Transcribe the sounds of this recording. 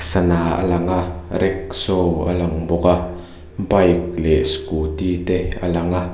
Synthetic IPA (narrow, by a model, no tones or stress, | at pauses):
sanaʔə̰laŋaɾɛk̚sowʔə̰laŋbʊka | mpajk̚lɛʔskut̪it̪ɛə̰laŋa